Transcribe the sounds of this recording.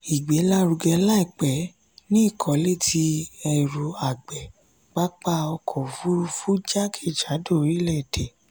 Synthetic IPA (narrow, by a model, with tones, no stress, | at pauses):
i˨ɡ͡be˨˦la˦ɾu˧ɡɛ˧la˦i˨k͡pɛ˨˦ | nĩ˦˨kʰɔ˨le˦˨ti˧ɛ˧ɾu˧a˨ɡ͡bɛ˨ | ɡ͡ba˦k͡pa˧˦ɔ˧kʰɔ̃˨fu˦˧fu˦d͡ʒa˦kʰe˦˨d͡ʒa˨˦do˦˨ɾi˨˦lɛ˦˨de˨